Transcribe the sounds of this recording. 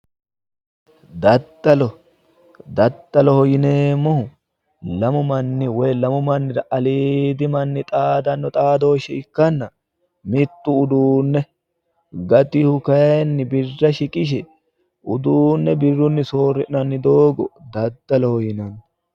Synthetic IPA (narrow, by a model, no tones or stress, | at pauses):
d̪ɐd̪ːɐlɔ | d̪ɐd̪ːɐlɔhɔjɪneːmːɔhʊ | lɐmʊmɐnːɪwɔjlɐmʊmɐnːɪɾɐʔɐliːd̪ɪmɐnːɪt̪ʼaːd̪ɐnːɔt̪ʼaːd̪o̞ːʃɛɪkːɐnːɐ | mɪt̪ːʊːd̪uːnːɛ | ɡɐt̪ɪhʊkɐnːɪbɪrːɐʃɪkʼɪʃ̬ɛ | ʔʊd̪uːnːɛbɪrːʊnːɪsoːrːɪʔnɐnːɪd̪oːɡɔd̪ɐd̪ːɐlɔhɔjɪnɐn